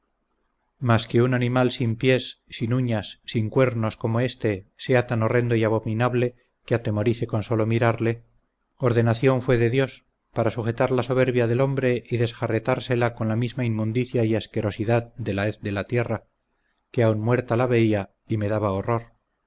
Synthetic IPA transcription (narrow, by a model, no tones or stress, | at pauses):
maskeunanĩmalsimpje̞sːinuɲasːiŋkwe̞ɾno̞sko̞mo̞e̞st̪e̞se̞at̪ano̞re̞nd̪o̞iaβo̞minaβle̞ | keat̪e̞mo̞ɾiθe̞ko̞nso̞lo̞miɾaɾle̞ | o̞ɾðe̞naθjo̞ɱfwe̞ðe̞ðjo̞s | paɾasuxe̞t̪aɾlaso̞β̞e̞ɾβjaðe̞lombɾe̞ʔiðe̞sxare̞t̪aɾse̞lako̞nlamizmaimmũnd̪iθjaieske̞ɾo̞siðaðd̪e̞laeθd̪e̞lat̪je̞ra | keaunmwe̞ɾt̪alaβe̞ia | ime̞ðaβaoro̞ɾ